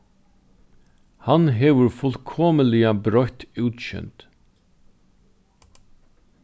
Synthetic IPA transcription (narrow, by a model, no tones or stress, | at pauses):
hanɦɛːʋʏɹfʊlkʰoːməlɪabɾɔht̪ʉːt̪ɕʏ̰nt̪